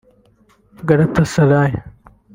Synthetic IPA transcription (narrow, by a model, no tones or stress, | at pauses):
ɡɐɽɐt̪ːɐsɐlaːj